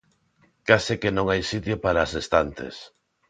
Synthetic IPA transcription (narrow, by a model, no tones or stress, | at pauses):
kasikenõŋajsit̪jopaɾaːsest̪ant̪ḛs